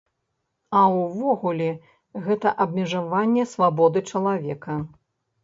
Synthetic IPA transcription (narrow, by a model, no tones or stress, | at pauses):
ɐwvɔɣulʲɛ | ɣɛt̪ɐʔɐbmʲɛʐavanʲːɛsvabɔd̪ɨt͡ʂɐlˠavʲɛkɐ